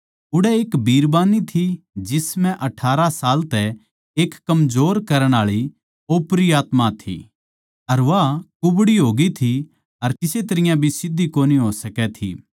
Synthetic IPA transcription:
ʊɽɛeːkbʱiːɾbaːnit̪ʰi | d͡ʒɪsmɛ̃ʔɐʈʰaːɾasaːlt̪ɛ | eːkːɐmd͡ʒoːɾkɐɾəɽ̃aːɭi | oːpɾiaːt̪mat̪ʰḭ | ɐɾʋakʊbɽiɦoːɡit̪ʰi | ɐɾkɪset̪ɐɾɪjãbʱisɪd̪ːikoːniɦoːsɐkɛt̪ʰḭ

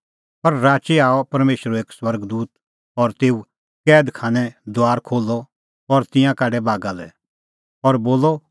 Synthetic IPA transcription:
pɐɾɾaːt͡ʃiaːɔpɐɾmeːʃɾueːkswɐɾɡd̪uːt̪ | ɔɾt̪eːu | kɛːd̪kʰaːnɛd̪ʊaːɾkʰoːlːɔ | ɔɾt̪ɪ̃jãkaːɖɛbaːɡalɛ̰ | ɔɾboːlːɔ

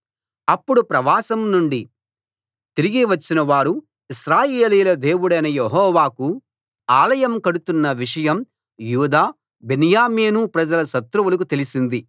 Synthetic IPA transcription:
ɐpːuɽupɾɐʋaːsɐmnuɳɖi | t̪iɾiɡiʋɐt͡ʃːinɐʋaːɾu | iʃɾaːjeːliːlɐd̪eːwuɽɐjnɐjeɦɔːʋaːku | aːlɐjɐmkɐɽut̪unːɐʋiʂɐjɐm | juːd̪aː | benjaːmeːnupɾɐd͡ʒɐlɐʃɐt̪ɾuʋulɐk̬ut̪e̞lisind̪i

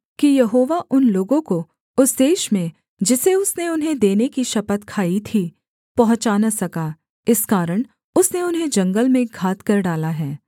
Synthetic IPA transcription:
kijɐɦoːʋaʔʊnloːɡõko | ʊsd̪eːʃmẽ | d͡ʒɪseʊsneʊnɦẽd̪eːnekiʃɐpət̪kʰaːit̪ʰiː | pɐɦʊ̃t͡ʃaːnasɐkaː | ɪskaːɾəɽ̃ | ʊsneʊnɦẽd͡ʒɐ̃ŋɡəlmẽɡʱaːt̪kɐɾɖaːlaɦɛː

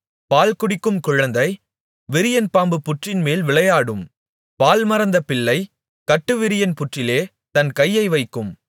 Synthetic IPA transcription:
paːlkʊɽɪkːɯmkʊɻɐnd̪ɐɪ | ʋɪɾɪjɐnpaːmbɯpːʊʈrɪnmeːlʋɪɭɐjaːɽɯm | paːlmɐɾɐnd̪ɐpɪɭːɐɪ | kɐʈːɯʋɪɾɪjɐnpʊʈrɪleː | t̪ɐnkɐjːɐɪʋɐɪkːɯm

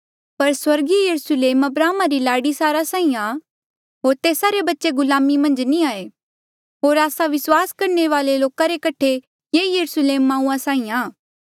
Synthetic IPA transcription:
pɐɾswɐɾɡijɐɾʊsleːmɐbɾaːmaɾilaːɽisaːɾasãːĩa | ɦoːɾt̪eːsaɾebɐtːʃeɡʊlaːmimɐ̃nd͡ʒniaːe | ɦoːɾaːsaʋɪswaːskɐɾneʋaːleloːkaɾekɐʈʰe | jeːjɐɾʊsleːmːãːũːãsãːĩaː

